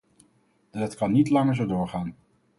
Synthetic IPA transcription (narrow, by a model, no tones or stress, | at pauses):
ətkɑnːitlɑŋəɹzodʊːɹχaːn